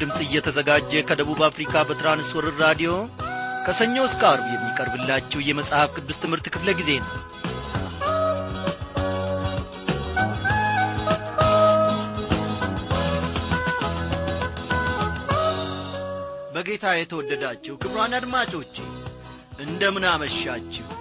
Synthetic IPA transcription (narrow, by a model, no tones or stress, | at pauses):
d̪ɨmsʼɨjːɛt̪ʰəzəɡad͡ʒːɛkʰəd̪əβuβafɾikʰʼabət̪ɨɾanɨswɔɾɨɾɾad̪ijo̞kʰəsəɲːo̞skʼaɾbujɛmːikʼəɾbɨlːat͡ʃːɛwjɛməsʼhafkʰɨd̪ːust̪ʰɨmhɨɾt̪kʰɨfləɡize̞nəw | bəɡe̞t̪ʰajɛt̪ʰəwɔdːəd̪at͡ʃːɛwkʰɨbɾwanad̪mat͡ʃʼo̞t͡ʃːḛn | ʔɨnd̪əmɨnaməʃat͡ʃːɛw